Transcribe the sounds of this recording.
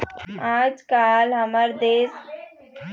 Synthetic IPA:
ãːd͡ʒkaːlɦəməɾd̪eːs

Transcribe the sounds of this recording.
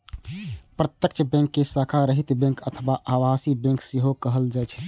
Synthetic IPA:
pɾət̪jəkt͡ʃʰəbɛ̃ŋkːesakʰaɾəɦit̪bẽŋkət̪ʰəwaʔaʋasibẽŋkseɦokəɦəld͡ʒat͡ʃʰɛ̥

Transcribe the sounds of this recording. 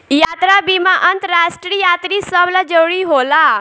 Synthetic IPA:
jat̪ɾabimãʔənt̪ɾasʈɾijat̪ɾisəblad͡ʒəwɭiɦola

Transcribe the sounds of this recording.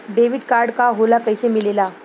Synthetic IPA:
ɖeʋiɖkaɾɖkaɦolakəjsemilela

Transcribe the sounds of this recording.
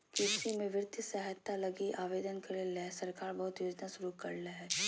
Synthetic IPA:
keːtʃimẽʋɪɾt̪isɛɦət̪ːalɐɡiʔaːʋeːd̪ənkɐɾelesɐɾkaːɾbɐɦʊt̪joːd͡ʒnasʊɾukɐɾleɦɛː

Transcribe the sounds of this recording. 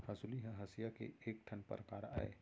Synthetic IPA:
hɐsuliɦɛ̃ɦɐsijakḛeːkʈʰənpə̰ɾkaːɾa̰ḛ

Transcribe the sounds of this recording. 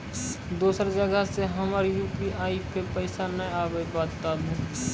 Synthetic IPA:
d̪uːsəɾd͡ʒəɡəseɦəmaɾjuːpiʔaːipepəɪsanəjaːbəibaːd̪t̪aːlũː

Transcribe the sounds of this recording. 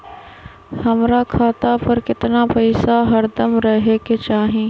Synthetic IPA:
hɐmɾakʰaːt̪apɐɾkɪt̪napɐɪsaɦɐɾd̪əmɾɐɦeket͡ʃaːɦĩː

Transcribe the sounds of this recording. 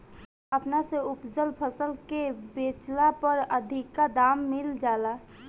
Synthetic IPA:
ɐpnaseʊpd͡ʒəlpʰəsəlkebeːt͡ʃlapəɾəd̪ʱɪkːad̪aːmːɪld͡ʒaːlaː

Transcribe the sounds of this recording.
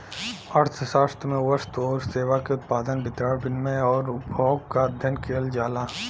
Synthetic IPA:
əʈt̪ʰəʃaːst̪ɾmẽwəst̪ɔːɾseːwakeʊt̪paːd̪ənbɪt̪ɾaːɾbɪnmẽɔːɾʊbʱɔːɡkaəd̪ʱjənkeːld͡ʒaːlaː

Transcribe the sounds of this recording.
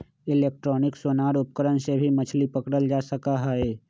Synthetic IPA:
ɪleːk̚ʈɾɔːnɪksoːnaːɾʊp̚kəɾənsebʱimət͡ʃʰlipəkɽəld͡ʒaːsəkaɦaeː

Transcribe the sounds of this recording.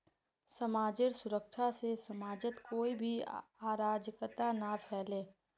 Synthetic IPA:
səmaːd͡ʒɪɾsʊɾəkʃʰasesəmaːd͡ʒət̪koːibʱiaːɾaːd͡ʒəkt̪anapʰɛːlẽː

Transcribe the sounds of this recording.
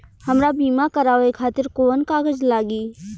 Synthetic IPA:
həmɾabiːmakəɾaːoekʰaːt̪ɪɾkoːnkaːɡəd͡ʒlaːɡiː

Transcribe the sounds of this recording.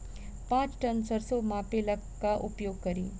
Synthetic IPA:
pãːt͡ʃʈɐnsɐɾsomaːpelɐkkːaʔʊpjoːɡ̚kɐɾḭː

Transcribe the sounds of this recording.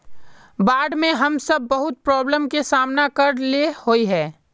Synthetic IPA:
baːɖmẽɦɐmsɐb̚ːɐɦʊt̪̚pɾɔːbləmkesaːmnakɐɾlehoiɦɛː

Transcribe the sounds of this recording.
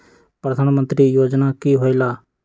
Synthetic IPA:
pɾɐd̪ʱaːnmə̃nt̪ɾijoːd͡ʒnakiɦoːilaː

